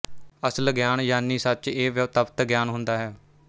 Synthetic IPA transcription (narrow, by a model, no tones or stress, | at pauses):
əsəlɡjaːnjaːniːsət͡ʃeːʋt̪əpt̪ɡjaːnɦʊnd̪aːɦɛː